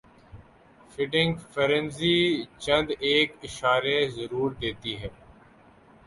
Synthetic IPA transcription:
fɪʈɪ̃ŋɡfəɾə̃nzit͡ʃɐ̃nd̪eːkɪʃaːɾezɐɾuːɾd̪eːt̪iɦɛː

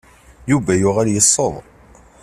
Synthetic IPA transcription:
juvæjʊʁæɾjəsˤːəðˤ

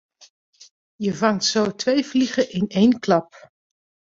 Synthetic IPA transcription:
jəvɑŋtsowtʋejvliχəʔɪnejnklɑp

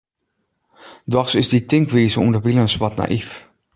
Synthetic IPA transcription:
dɔxsɪsditɪŋkʋiːzəundəʋilənsʋɔtna̰ʔif

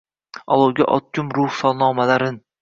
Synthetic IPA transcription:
ɒlˠɒwɡʲa̰ʔɒ̰t̪̚kʲʰʊmɾʊhsɒlˠnɒːmalaɾɪn

